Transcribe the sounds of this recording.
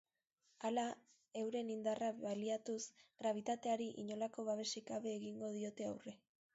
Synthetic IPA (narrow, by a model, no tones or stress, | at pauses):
ala | e̞wɾe̞nind̪araβaliat̪usɡ̥ɾaβ̞it̪at̪e̞aɾiʔiɲo̞lako̞βaβ̞e̞sikaβe̞ːɣiŋɡo̞ð̞io̞t̪e̞awre̞